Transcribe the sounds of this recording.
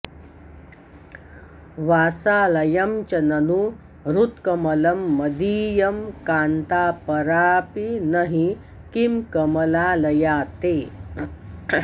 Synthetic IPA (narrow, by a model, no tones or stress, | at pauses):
ʋaːsaːlɐjɐmt͡ʃɐnɐnu | ɾut̪kɐmɐlɐmːɐd̪iːjɐmkaːnt̪aːpɐɾaːpinɐɦĩ | kimkɐmɐlaːlɐjaːt̪eː